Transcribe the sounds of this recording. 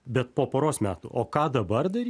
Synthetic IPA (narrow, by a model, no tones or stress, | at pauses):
bʲɛt̪̚poːpoːɾoːsmʲæːt̪ṵːʔo̰ːkɑːd̪ɐbɐrd̪ɐɾʲ